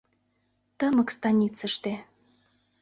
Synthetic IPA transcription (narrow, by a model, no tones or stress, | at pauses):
t̪əmɤ̆kst̪ɑnʲit͡sə̆ʃt̪e